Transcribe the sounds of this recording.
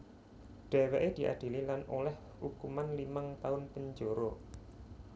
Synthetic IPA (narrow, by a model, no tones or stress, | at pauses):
ɖ̥ɛ̤weʔed̪̥i̤ʔa̰d̪̥i̤lilanolɛh | hukumanlimaŋt̪aʊnpəɲd͡ʒoɾo